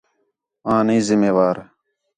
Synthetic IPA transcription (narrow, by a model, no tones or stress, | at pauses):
ãːnĩːzɪmeːʋaːɾ